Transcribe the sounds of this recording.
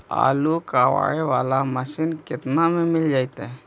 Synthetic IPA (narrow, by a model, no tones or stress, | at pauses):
a̰ːlukawa̰ɽeʋaːlaməsinkɪt̪namemɪld͡ʒaːjt̪ɛ